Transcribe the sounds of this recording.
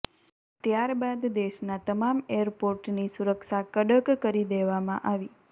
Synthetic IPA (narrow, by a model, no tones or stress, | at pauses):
t̪jaɾbad̪d̪eʃnat̪əmameəɾpoɾʈnisuɾəkʃakəɖəkkəɾid̪eʋamãʔaʋi